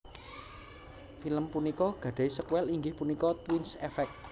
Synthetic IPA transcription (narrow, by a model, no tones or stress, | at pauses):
filəmpunikɔɡ̥ä̤ɖ̪̥a̤jsəkwɛliŋɡɪhpunikɔt̪winsɛfɛk̚